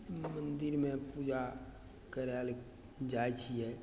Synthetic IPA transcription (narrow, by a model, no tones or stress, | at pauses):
mə̃nd̪ɪɾmẽpuːd͡ʒa | kəɾal | d͡ʒaːjt͡ʃʰiɦɛː